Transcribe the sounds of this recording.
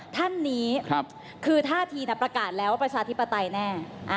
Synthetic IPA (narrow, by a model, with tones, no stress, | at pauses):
t̪ʰa˥˩nːiː˦˥kʰp̚ | kʰɯː˧t̪ʰaː˥˩t̪ʰiː˧na˥˩pɾa˧kaː˨˩t̪̚lɛː˦˥waː˥˩pɾa˧t͡ɕʰaː˧t̪ʰi˦˥pːa˧t̪a˧jnɛː˥˩ʔa˧˩